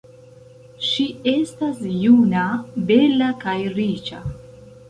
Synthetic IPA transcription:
ʃie̞stasjunabe̞lakajɾit͡ʃa̰

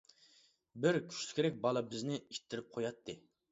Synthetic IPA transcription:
bɪɾkʲʰy̥ʃlʲy̥kʲeɾɛk̚ʲbɑlˠɑbɪznɪit̪ʰːɪɾɪp̚qʰojɑt̪ʰːɨ

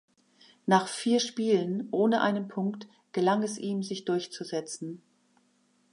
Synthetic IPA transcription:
naːχfiːɐʃpiːlənʔoːnəʔa̰ɪnənpʰʊŋkt | ɡ̥əlaŋɛsʔiːmzɪçd̥ʊɐçt͡suzɛt͡sn̩

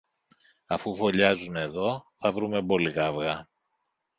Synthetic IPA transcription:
ɐfufo̞ʎɐzune̞ðo̞θɐvɾume̞bo̞likɐvɣɐ

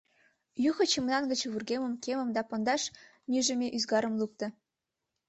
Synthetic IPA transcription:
juxɤ̆t͡ɕə̆mnɑnɡə̆t͡ɕβurɡemə̆mkemə̆md̪ɑpond̪ɑʃ | nyʒə̆mʲeʔyzɡɑɾə̆mluk̚t̪ɤ̆

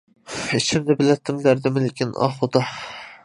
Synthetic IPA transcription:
iʃʰɪmd̪ɪbɪlɛt̪ʰːɪmlæɾd̪ɪmɪlɪkʲʰinɑ̰χod̪ɑ

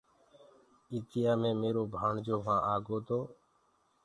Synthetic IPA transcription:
iːt̪ɪjaːmẽːmeːɾoːbʱaːɳd͡ʒoːʋãːʔaːɡoːt̪oː

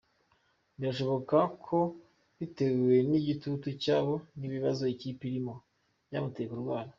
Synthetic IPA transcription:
ndiɾaʃ̬o̞βo̞kakʰo̞ | βite̞ɡwe̞niɟitutucaːβo̞niβiβazo̞iciːpiɾimo̞ | ja̰ːmutejekuɾuɡwaːna

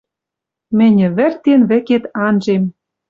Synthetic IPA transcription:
mɘ̆nʲɘ̆βɘ̆rt̪enβɘ̆ket̪ɑnʒem

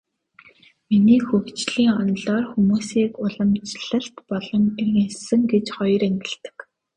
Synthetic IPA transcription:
miniːxɵwt͡ɕɮiːŋɔnɮɔːrxumuːsiːkʊɮə̆mt͡ɕɮə̆ɬt̪pɔɮɞ̆merɣensɘ̆ŋɡet͡ɕχɔjɞ̆ɾeŋɡɪ̆ɬɮt̪ɘ̥̆k

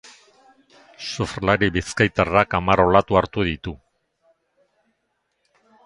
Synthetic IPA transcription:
sofɾlaɾiβiskajt̪arakamaro̞lat̪uaɾt̪uðit̪u

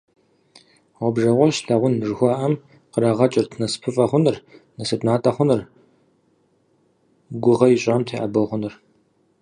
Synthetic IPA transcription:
ʁʷɔbʒɐʁʷɔɕɬaʁʷʊnʐɨxʷɑːʔɐm | qəɾaʁɐt͡ʃʼɪrtʰnɐspʰɨfʼɐχʷʊnɨrnɐsɨtnaːtʼɐχʷʊnɨr | ɡʷʊʁɐjiɕʼaːmtʰeːʔɐ̰bɐʁʷʊnɨr

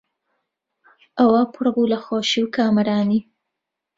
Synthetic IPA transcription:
ʔawaːpʰʊɾabulaxoːʃiwkaːmɐɾaːni

